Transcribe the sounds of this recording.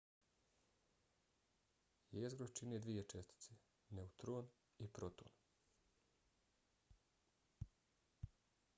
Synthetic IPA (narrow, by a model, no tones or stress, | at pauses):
jezɡɾost͡ʃinied̪ʋijet͡ʃest̪i̥t̪se | neut̪ɾoːn | ipɾot̪o̰ːn